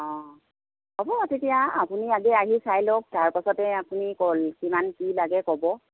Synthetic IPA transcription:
ɔ̃ | ɔbɔtetijaapuniaɡɛaɦisajlok̚taɹpasɔtɛapunikolkimankilaɡɛkɔbɔ

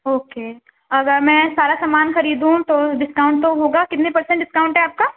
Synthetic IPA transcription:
oːkeː | ɐɡəɾmɛ̃ːsaːɾasɐmaːnxɐɾiːd̪ɦũt̪oːɖɪskaːʊ̃ɳʈ̚t̪oɦoːɡaːkɪt̪nepɐɾsə̃ɳʈɖɪskaːʊ̃ɳʈɦɛaːp̚kaː

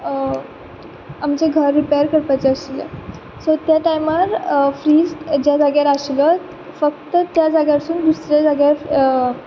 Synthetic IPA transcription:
amt͡ɕeɡʱəɾːipajəɾkəɾpat͡ɕeəsilə̰ | sot̪jaʈajmaɾfɾiːsʈd͡ʑjad͡zaɡjaɾaɕlət̪ | fək̚t̪ət̪jad͡zaɡjaɾsuːnd̪usɾjad͡zaɡjaɾ

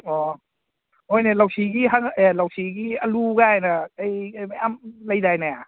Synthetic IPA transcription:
ɔ | hojnelawsʰiɡiɦaŋelawsʰiɡialuɡajnaːjmajamlajdajnaa

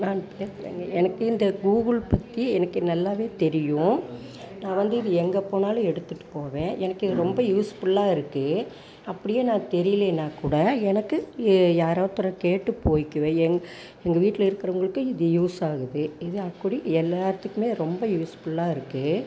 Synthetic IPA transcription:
naːnpeːɾɾḛːŋɡɐɛnɐkːɯɪnd̪ɐɡuːɣɐɭpɐt̪ːiɛnɐkːɯnɐlːaːʋeːt̪ɛɾɪjʊ̃ | nãːʋɐnd̪ɯɪðɯɛŋɡɐpːoːnaːlʊ̃ɛɽɯt̪ːɯʈːɯ̥poːʋẽːʔɛnɐkːɯɾɔmbɐjuːsfʊlːaːɪɾɯkːɯ | ɐpːɐɽɪjeːnãːt̪ɛɾɪjleːnːãːkuːɽɐɛnɐkːɯjaːɾaːɾt̪ɔɾɐkeːʈːɯpoːjɪkːɯʋẽːɛŋ | ɛŋɡɐʋiːʈːɪlɐɪɾɯkːɪɾɐʋʊŋɡɐɭɯkːɯ̃ɪðɯjuːsaːɣɯðɯɪðɯɐkːuɽiɛlːaːɾɐt̪ːɯkːɯmeːɾɔmbɐjuːsfʊɭːaːɪɾɯkːɯ

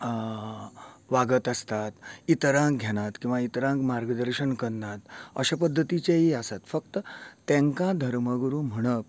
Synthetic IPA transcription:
ʋaɡət̪əst̪at̪it̪əɾãk̚ɡʱeɽ̃at̪kĩw̃ʋait̪əɾãŋkmaɾɡəd̪əɾɕənkəɾnat̪əɕapəd̪ʱːət̪it͡ɕeɦiəsat̪fək̚t̪ət̪ɛ̃ŋkãd̪ʱəɾməɡəɾuːm̤əɽ̃əp̚

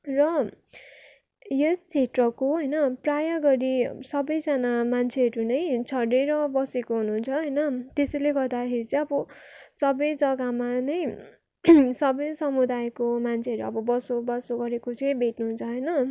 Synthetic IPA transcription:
rʌ | jesːeʈrʌkoɦʌjnʌprajaɡʌɾisʌbʌjd͡zanamant͡sʰeɦʌɾunʌjt͡sʰʌɽeɾʌbʌsekoɦununt͡sʰʌɦʌjnʌt̪esʌjleɡʌrd̪akʰeɾit͡sʌj̃ʌbʌsʌbʌjd͡zʌɡamanʌj | sʌbʌjsʌmud̪ajkomant͡sʰeʌɾuʌ̰bʌbʌsobʌsoɡʌɾekot͡sʌj̃bʱeʈnuɦunt͡sʰʌɦʌjnʌ

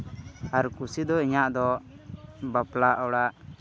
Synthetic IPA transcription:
aɾkusid̪ɔiɲaʔd̪ɔ | baplaʔɔwɽaʔ

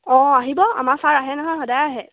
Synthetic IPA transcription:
ɔ̃aɦibɔa̰masaɹaɦɛnaɦɔ̃xɔdajaɦɛ

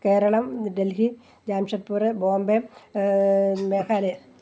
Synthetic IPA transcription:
keːɾɐɭɐmɖelɦi | d͡ʑaːmʂɐt̪pːuːrɨboːmbe | meːkaːle

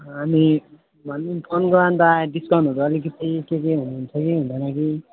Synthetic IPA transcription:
ami | manipʰonɡoɾand̪aɖiskʌnoɾuʌlikʌt̪ʰikekeɦunuɦunt͡sʰʌkiɦũnd̪ʌnaki

